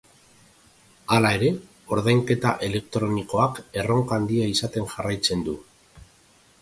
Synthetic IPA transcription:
alae̞ɾe̞ | o̞ɾð̞ajŋke̞t̪aʔe̞le̞kt̪ɾo̞niko̞ake̞ro̞ŋkand̪iaisat̪e̞ŋʝarajt͡se̞nd̪u

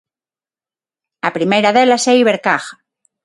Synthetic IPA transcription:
apɾimejɾaðelaseiβeɾkaxḁ

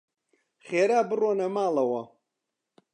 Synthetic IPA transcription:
χeːɾaːbɨroːnɐmaːlɐwɐ

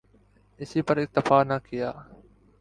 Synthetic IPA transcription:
ɪsiːpəɾɪk̚t̪ɪfaːnaːkʰɪjaː

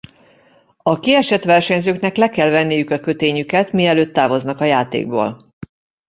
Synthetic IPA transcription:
ɒkiɛʃɛt̪ʋɛrʃɛɲzøːkn̪ɛklɛkɛlvɛnːijykɒkø̞t̪eːɲykɛt̪miɛløːt̪ːaːvo̞znɒkɒjaːt̪ḛːɡ̚bo̰ːl

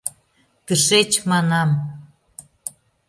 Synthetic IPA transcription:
t̪əʃet͡ɕmɑnɑm

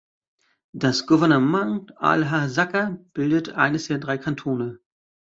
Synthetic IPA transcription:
d̥asɡ̥uvɛɐnəmanʔa̰lɦazakɐb̥ɪldətʔa̰ɪnəsd̥eːɐdʁaɪkʰantʰoːnə

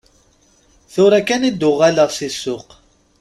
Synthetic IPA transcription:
θʊɾækːænid̪ʊʁːaləʁsisːʊq

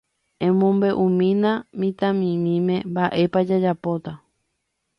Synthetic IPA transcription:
ẽmõmbe̞ʔũmĩnãmĩt̪ãmĩmĩmẽ̞mbaʔe̞pad͡ʒad͡ʒapo̞t̪a

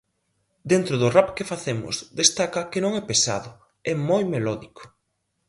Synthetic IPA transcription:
d̪ent̪ɾʊðʊrapkefaθemʊ̰zd̪est̪akɐkɪnõŋɛpesa̰ðʊ | ɛmojmelɔðiko̥

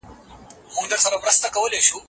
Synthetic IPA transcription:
mʊ̃ŋɡd̪əɾsɐɾawɾəst̪akɐwəleʃu

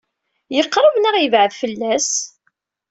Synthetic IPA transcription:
jəqːɾˤəvnæʁjəvʕəðfəlːæs

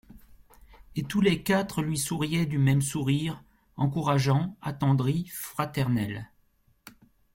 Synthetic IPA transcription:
et̪ulekat̪χəlɥisuʁjɛd̪ymɛmsuʁiʁ | ɑ̃kuʁaʒɑ̃a̰t̪ɑ̃d̪ʁifχat̪ɛʁnɛl

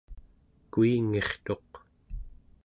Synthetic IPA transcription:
kuiŋe̞χt̪o̞q

